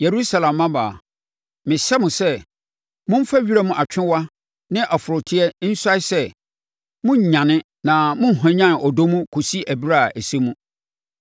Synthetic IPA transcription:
je˨ɾu˦sa˦lã˨mːã˦ba˨ | mɪ̃˨ɕɛ˦mʊ̃˨sɛ˦ | mʊ̃˦m̩˦fa˦ɥi˦ɾæ˦mũ˦ʔa˨t͡ɕᶣɪ̃˦wa˦ | nɪ̃˦ʔa˨fʊ˨ɾʊ˨tʰɪ˦ɛ˦n̩˦sa˦ɪ˦sɛ˦˨ | mʊ̃˦ɲ̩˨ɲã˨nɪ̃˦ | nã˨mʊ̃˦n̩˨ɦɔ̃˨ɲã˦n˨ɔ˨do˦mũ˦kʰo˨si˦ʔæ˨bi˦ɾa˦˨æ˨se˦mũ˦

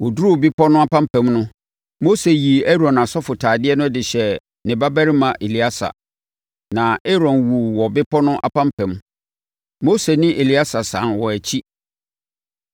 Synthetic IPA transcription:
wɔ˨du˦ɾu˦˨bɪ˦pʰɔ˦nʊ̃˦a˦pʰã˦m˦pʰɛ̃˦mnʊ̃˦ | mo˦se˨ji˨ɛ˦ɾɔ̃˨na˨sɔ˦fʊ˨tʰaː˨dɪ˦ɛ˦nʊ̃˦dɪ˨ɕɛ˨ | nɪ̃˨ba˦bæ˦ɾi˦mã˨ʔe˨li˦a˦sa̰˨ | nã˨e˦ɾɔ̃˨nwu˨wɔ˨bɪ˦pʰɔ˦nʊ̃˦ʔa̰˨pʰã˦m˦pʰɛ̃˨˦m | mo˦se˨nɪ̃˦ʔe˨li˦a˦sa˨sã˨˦nwɔ˨æ˨t͡ɕʰi˦

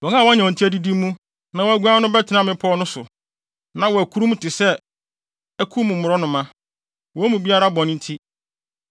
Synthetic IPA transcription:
wɔ̃˨ŋa˦˨wɔ˦ɲɛ̃˨ɔ̃˨n̩˨tʰi˦æ˦di˦di˦mːũ˦ | nã˨wɔ˨æ˨ɡu˦ã˦nʊ̃˦bɛ˦tʰɪ˨nã˦mɪ̃˦pʰɔ˦nʊ̃˦sʊ̰˨ | nã˨wɔ˨æ˨kʰu˦ɾũ˦m˦tʰɪ˨sɛ˦ | æ˦kʰu˦mũ˨m̩˨mʊ˨ɾɔ˦nʊ̃˨mã˦ | wɔ˨˦æ˦mũ˨bi˦a˦ɾa˦bɔ̃˨nɪ̃˦n̩˦tʰi˦

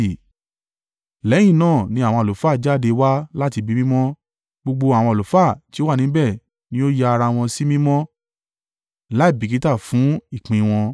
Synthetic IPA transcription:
lɛ̃˨˦ĩ˦˨nãː˦˨nĩ˧˦a˦˨w̃ɔ̃˧˨lo˨faː˦˨d͡ʒa˦˨de˧wa˦la˦ti˧bi˨˦mĩ˦mɔ̃˦ | ɡ͡bo˧ɡ͡bo˧a˨w̃ɔ̃˧˨lo˨˦fa˦˨ti˦wa˦˨ĩ˨˦bɛ˦˨ | nĩ˨˦o˦ja˧ɾa˧w̃ɔ̃˧si˦mĩ˦mɔ̃˦ | la˨˦i˦˨bi˨ki˨˦ta˦˨fũ˨˦i˦˨k͡pĩ˨˧w̃ɔ̃˧

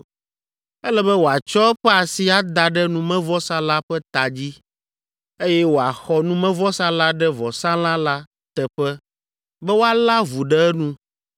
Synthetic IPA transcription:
ɛ˦lɛ˦bɛ˦wo˨a˨t͡ʃɔ˦ɛ˦ɸɛ˦a˨si˦a˦d̪a˨ɖɛ˦nũ˨mɛ̃˦vɔ˦sã˦la˦ɸɛ˦t̪a˨d͡ʑi˦ | e˦jɛ˦wo˨a˨xɔ˦nũ˦mɛ̃˦vɔ˦sã˦la˦ɖɛ˦vɔ˨sã˦lã˦la˦ | t̪ɛ˨ɸɛ˦ | bɛ˦wo˦a˦la˦vu˨ɖɛ˦ɛ˦nũ˦

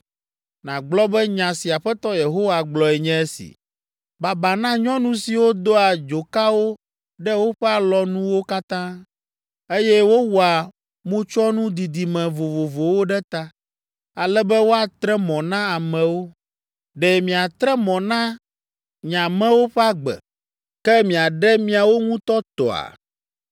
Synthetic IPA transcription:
nã˨ɡ͡blɔ˦bɛ˦ɲã˨si˨a˨ɸɛ˦t̪ɔ˦je˨ɦo˦wa˨ɡ͡blɔ˨ɛ˨ɲɛ̃˦ɛ˦sḭ˨ | ba˨ba˨nã˦ɲɔ̃˦nũ˦si˨wo˦d̪o˦a˨d͡ʒo˨ka˦wo˦ | ɖɛ˦wo˦ɸɛ˦a˨lɔ˨nũ˦wo˦ka˦t̪ã˦ | e˦jɛ˦wo˦wu˨a˨ | mõ˦t͡ʃɔ˦nũ˦d̪i˨d̪i˨mɛ̃˨vo˨vo˨vo˨wo˦ɖɛ˦t̪a˦ | a˨lɛ˦bɛ˦wo˦a˨t̪ɾɛ˦mɔ̃˨nã˦a˨mɛ̃˨wo˦ | ɖɛ˨mĩ˨a˨t̪ɾɛ˦mɔ̃˨nã˦ | ɲã˨mɛ̃˦wo˦ɸɛ˦a˦ɡ͡bɛ̰˨ | kɛ˦mĩ˨a˨ɖɛ˦mĩ˦a˨wo˦ŋũ˦t̪ɔ˦t̪ɔ̰˨a̰˨

